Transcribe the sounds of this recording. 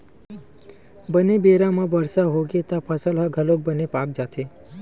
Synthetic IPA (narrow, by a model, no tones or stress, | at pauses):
bənebeɾamãbəɾsaɦoɡet̪apʰəsəlɦaɡʱəlok̚bənepak̚d͡ʒat̪ʰe